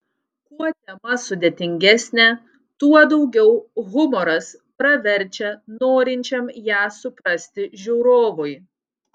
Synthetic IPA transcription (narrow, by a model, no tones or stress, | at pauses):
kuɔt̪ʲɛmɐsʊd̪ʲet̪ʲɪŋʲɡʲɛsʲnʲɛ | t̪uɔd̪ɒʊɡʲɛʊɣʊmɔɾɐs | pɾɐʋʲɛɾʲˑt͡ʃʲɛnoːɾʲɪnʲt͡ʃʲɛmjæːsʊpɾɐsʲt̪ʲɪʒʲuʊɾoːʋʊj